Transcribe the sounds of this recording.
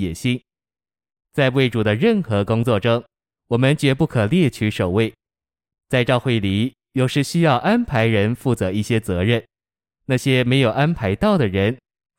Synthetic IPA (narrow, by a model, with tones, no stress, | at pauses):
jɛ˨˩ɕi˥ŋ | t͡sa˥˧ɪwe˥˩ɪʈ͡ʂu˨˩d̪ə˦ɻə˥˩nxɤ˧˥kʊ˥ŋt͡swɔ˥˩ʈ͡ʂɤ˥ŋ | wɔ˨˩mə˦nt͡ɕɥɛ˧˥pu˥˩kʰɤ˨˩ljɛ˥˩t͡ɕʰy˧˥ʂo˨˩ʊwe˥˩ɪ | t͡sa˥˧ɪʈ͡ʂɑ˥˧ʊxwe˥˩ɪli˨˩˦ | jo˨˩ʊʂɻ̩˥˧ɕy˥jɑ˥˩ʊʔa˥npʰa˧˥ɪɻə˧˥nfu˥˩t͡sɤ˧˥i˥˩ɕjɛ˥t͡sɤ˧˥ɻə˥˩n | na˥˩ɕjɛ˥me˧˥ɪjo˨˩ʊa˥npʰa˧˥ɪt̪ɑ˥˩ʊd̪ə˩ɻə˧˥n